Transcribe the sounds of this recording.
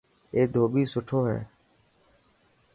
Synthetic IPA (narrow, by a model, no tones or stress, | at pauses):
eːd̪ʱoːɓiːsʊʈʰoːɦɛ̰ː